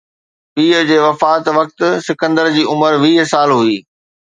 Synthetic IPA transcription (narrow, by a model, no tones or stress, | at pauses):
piːɦəd͡ʑeːʋɐfaːt̪ʋɐk̚t̪sɪkə̃nd̪əɾd͡ʑiːʊməɾʋiːɦsaːlɦuiː